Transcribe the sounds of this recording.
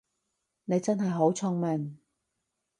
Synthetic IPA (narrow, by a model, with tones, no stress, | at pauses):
ne˨˧jt͡sɐ˥nɦɐ˨jɦo˨˥wt͡sʰʊ˥˧ŋmɛ˨˩n